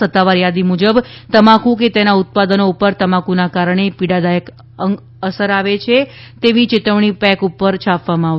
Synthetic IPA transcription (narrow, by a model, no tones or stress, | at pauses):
ət̪ːaʋaɾjad̪imud͡ʒəbt̪əmãkũk̬et̪enaʊt̪̚pad̪ənoupəɾt̪əmãkunakaɾɳ̃epiɽad̪ajək | əŋ | əsəɾaʋet͡ʃʰe | t̪eʋit͡ʃɪt̪əʋɳ̃ipɛ̃kupəɾt͡ʃʰapʋamãa